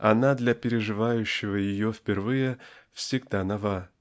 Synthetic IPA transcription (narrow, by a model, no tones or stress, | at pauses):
ɐ̰nad̪lʲɐpʲɪɾʲɪʐɨvajʉɕːɪvəjɪjofʲpʲɪrvɨjəfsʲɪɡd̪anɐva